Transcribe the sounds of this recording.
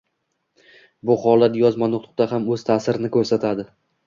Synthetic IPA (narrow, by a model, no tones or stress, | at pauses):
bʊχɒlˠat̪jɒzmanʊqt̪ʰˠʊ̥q̚t̪aɦamɵz̥t̪ʰasɪɾɪnɪkʰɵɾsat̪ʰad̪ɪ